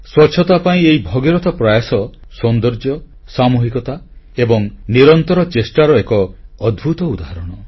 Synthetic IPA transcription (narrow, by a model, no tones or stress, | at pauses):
swɔt͡ʃʰːɔt̪apaĩeibʱɔɡiɾɔt̪ʰɔpɾajasɔsɔnd̪ɔɾd͡ʒɔ | samuɦikɔt̪a | ebɔŋniɾɔnt̪ɔɾɔt͡ʃesʈaɾɔekɔːd̪bʱut̪ɔud̪aɦaɾɔɽ̃ɔ